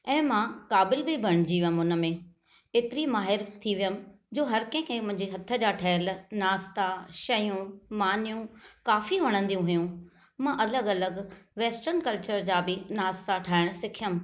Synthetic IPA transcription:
ɛ̃ːmãkaːbɪlbʱibʱɐɽ̃d͡ʑiːʋjəmʊnə̆mẽ | ɪt̪ɪɾimaːɦɪɾt̪ʰiʋijəmɪ̆ | d͡ʑoːɦɐɾkɛ̃ɪ̃kʰẽmʊ̃ɦɪ̃ɲd͡ʑiɦɐt̪ʰə̆d͡ʑaːʈʰɐlnaːst̪aʃɐjũmaːnijũkaːfiʋɐɽ̃ə̃nd̪ijũɦʊjũ | mãʔɐləɡɐləɡʋeːsʈəɾnkɐlt͡ɕəɾd͡ʑaːbɪnaːst̪aʈʰaːɪɽ̃sɪkʰijəm

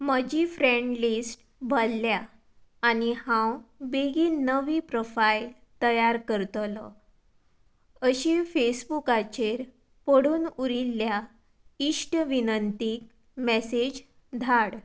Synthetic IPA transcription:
məd͡ʑifɾẽɳɖlisʈ | bʱəlːjaː | nihãwbeɡiːnəʋiːpɾofail | t̪əjaɾkəɾt̪lə | əɕifesbukat͡ɕeɾ | pəɽuːnuɾilːja | isʈʋinənt̪ik̚ | mɛsed͡ʑ | d̪ʱaɽ

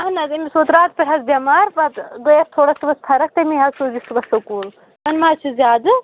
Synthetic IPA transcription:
ɐɦnɐzimʲisoːt̪ɾaːt̪̚pɐʈʰɐzbʲɐmaːɾpɐt̪ɡojɐst̪ʰoːɽɐst̪ɨʋɐst̪ʰɐɾɐk̚t̪ɐmiɦɐsuːzist̪ɨbɐsɐkuːl | mɐnmaːt͡ʃʰuzʲjaːd̪ɨ

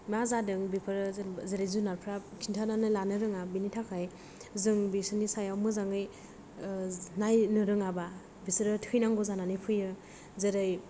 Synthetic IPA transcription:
mazadɯŋbipʰɯɾɯzeɾɯjzunaɾpʰɾakʰintʰananɯlanɯɾɯŋabinitʰakʰaj | zɯŋbisɯnisajawmɯzaŋɯj | najnɯɾɯŋaba | bisɯɾɯtʰkʰɯjnaŋɡɔzananɯjpʰɯjɯ | zeɾɯj

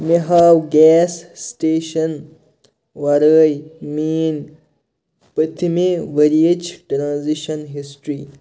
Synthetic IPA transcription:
meɦaːwɡɛːsːʈeːʃɐn | ʋɐɾəjmiːn | pɐt̪ʰimeʋɐɾiet͡ʃʰʈɾãːnziʃɐnɦisʈɾi

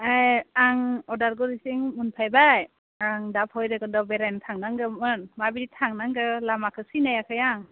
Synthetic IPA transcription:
ajaŋɔdaɾɡɔɾisiŋmunpʰajbaj | aŋdap̚ʰhɔjɾɯɡɯndɔbeɾajntʰaŋnaŋɡɯmɯnmabiditʰaŋnaŋɡɯlamakʰɯsinajakʰɯjaŋ

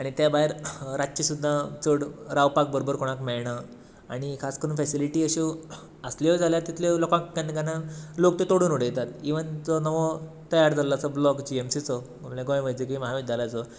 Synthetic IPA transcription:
aɽ̃it̪jabaɦeɾɾat͡ɕisud̪ʱːat͡səɽɾaʋpak̚bəɾobəɾkoɽ̃akmɛɭɳ̃a | aɽ̃ikʰaskəɾuːnfɛsiliʈiəɕi | əsliʋəd͡zʱaljat̪it̪ʰlelokãkkanikanalokt̪et̪oɽuːnuɽ̤əjt̪at̪iʋənt͡sɔnəʋɔ | t̪əjaɾd͡zʱallat͡sɔblɔkd͡ʑiemsit͡sɔɡomlẽɡoj̃ʋəjd͡zekʋiməɦaʋid͡ʑd͡zalat͡sɔ

